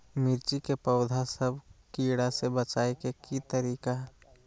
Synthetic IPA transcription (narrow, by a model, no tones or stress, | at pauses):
miɾt͡ʃikepəʊd̪ʱasəbʱkiːɽasebət͡ʃaːekekit̪əɾiːkaɦɛ